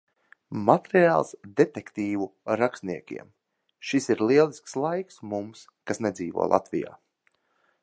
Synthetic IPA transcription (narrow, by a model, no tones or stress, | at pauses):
mat̪ɾiaːlˠsd̪et̪ekt̪iːvuɾakst̪niɛkʲḭɛm | ʃisiɾlˠiɛlˠiskslˠajksmums | kasned̪ziːvṵɔːlˠa̰t̪vija̰ː